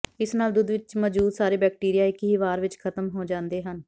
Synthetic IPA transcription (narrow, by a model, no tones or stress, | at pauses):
ɪsnaːld̪ʊd̪ʋɪt͡ʃmɔːd͡ʒuːd̪saːɾeːbɛːk̚ʈiːɾɪjaːɪkɦiːʋaːɾʋɪt͡ʃkʰət̪əmɦoːd͡ʒãːnd̪eːɦən